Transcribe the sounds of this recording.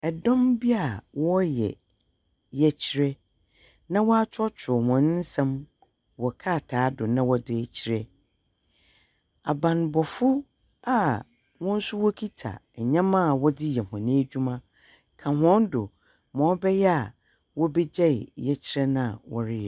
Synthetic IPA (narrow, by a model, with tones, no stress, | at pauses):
ɛ˨dɔ̃˦mbi˦a˨wɔ˦jɛ̰˨ | jɛ˨t͡ɕʰi˨˦ɾɛ˦ | nã˦wɔ˦a˦t͡ɕʰɔ˦t͡ɕʰᶣʊ˨hɔ̃˨n˦n̩˦sã˦m | wɔ˨kʰa˦˨tʰaː˨˦dʊ˨nã˦wɔ˦dɪ˦˨t͡ɕʰi˦ɾɛ˦ | a˨bã˨nbɔ˨fʊ˦ | a˦˨ | wɔ̃˦n̩˦sʊ˦wɔ˦kʰi˦tʰa̰˨ɛ˨ɲã˦mã˦˨wɔ˦dɪ˦jɛ˨hã˨nẽ˦d͡ʑᶣu˦mã˦ | kʰã˨ɦɔ̃˦ndʊ˨ | mɔ̃˨˦bɛ˦jɛ˦a˨ | wɔ˦be˦d͡ʑɛ˦ɪ˨jɛ˦t͡ɕʰi˦ɾɛ˦nã˦˨wɔ̰˦ɾɪ˦jɛ˨